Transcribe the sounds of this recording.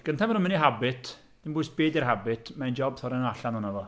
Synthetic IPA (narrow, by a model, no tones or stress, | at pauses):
ɡ̥əntʰamənʊmɪniɦabɪtʰ | d̥ɪmbʊːjsb̥eːdirɦabɪtʰmaɨnd͡ʒɔbθɔɾɛnaɬanɔnavɔ